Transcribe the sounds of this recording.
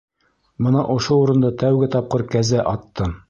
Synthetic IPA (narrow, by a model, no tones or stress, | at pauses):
mɤ̆nɑʔŏʃouɾɤ̆nd̪ɤt̪æwɡɘt̪ɑp̚qɤɾkæzæʔɑt̪ːɤm